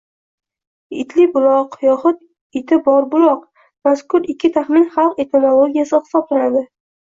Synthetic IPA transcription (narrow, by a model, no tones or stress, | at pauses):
ɪt̪ʰlɪbʊlˠɒqjɒχʊt̪̚ | ɪt̪ʰɪbɒɾbʊlˠɒq | maskʊɾɪkʲʰːɪt̪ʰaχmɪnχalˠqe̞t̪ʰemolˠoɡʲijasɪχɪ̥sɒblanad̪ɪ